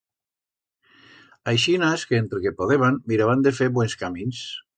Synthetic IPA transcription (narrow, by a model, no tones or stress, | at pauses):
ajʃinaskeent̪ɾekepoðeβanmiɾaβand̪efeɾbwenskamins